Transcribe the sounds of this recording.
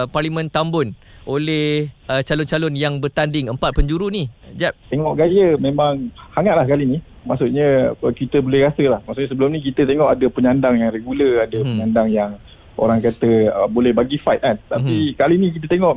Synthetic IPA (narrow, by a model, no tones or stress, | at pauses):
parlimə̃nt̪ambʊnʔolɛhət͡ʃalʊnt͡ʃalʊnjaŋbərt̪andɪŋəmpat̪̚pəɲd͡ʒuɾunid͡ʒap̚t̪eŋɔʔɡajəmẽmãŋhaŋaʔ̪lahkalinimasuʔɲəkit̪əbolɛhɾasəlahmaʔsuʔɲəsəbəlumnik̬it̪ət̪eŋɔʔadəpəɲandaŋjaŋreɡuləadəpəɲandaŋjaŋ | o̰ɾaŋkat̪əəbolɛhbaɡifajt̪̚ant̪apikalinik̬it̪ət̪eŋɔʔ